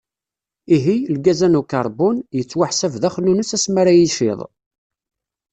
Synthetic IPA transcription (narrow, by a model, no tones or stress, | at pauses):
iɦilɡæzænukɑɾˤbʊnjət͡sːwaħsævðæχnunəsæsmaɾæjiʃɪ̰ðˤ